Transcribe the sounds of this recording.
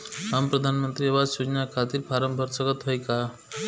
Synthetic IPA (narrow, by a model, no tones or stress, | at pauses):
ɦampɾʌd̪ʱanmʌnt̪ɾiʌbad͡zsud͡ʒnakʰat̪iɾpʰaɾʌmbʱʌɾsʌɡʌt̪ɦʌjka